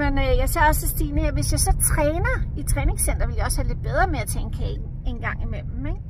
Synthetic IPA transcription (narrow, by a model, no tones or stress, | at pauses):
menøjɑ̈ɪse̝ɐ̰ɒ̽sesd̥ḭːnəheɐ̰ʋe̝sjɑ̈ɪsɒ̽t͡sʰʁɛːnɐit͡sʰʁɛːne̝ŋsen̰d̥ɐʋe̝ljɑ̈ɒ̽shæle̝d̥̚b̥eð̞ˠʁɐmeæt͡sʰeŋkʰeɡ | e̝nɡ̥ɑ̈ŋ̰imel̰mm̩eɡ̥